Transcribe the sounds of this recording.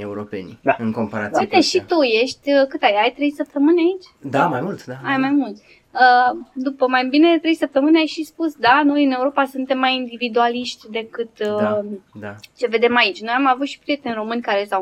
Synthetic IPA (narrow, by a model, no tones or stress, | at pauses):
euɾope̞̰nʲɨŋko̞mpaɾat̪iujt̪eʃit̪uje̞ʃt̪ʲəkɨt̪ajajt̪ɾe̞jsəp̚t̪əmɨnʲait͡ʃʲd̪amajmult̪d̪aajmajmult̪ʲ | əd̪upəmajbine̞d̪et̪ɾe̞jsəp̚t̪əmɨnʲajʃispusd̪ano̞jɨne̞uɾo̞pasunt̪e̞mːajind̪ivid̪ualiʃt̪ʲd̪e̞kɨt̪ | d̪at͡ʃe̞ve̞d̪e̞mait͡ʃʲno̞jamavut̪ʃi̥pɾije̞t̪enʲro̞mɨnʲkaɾe̞saw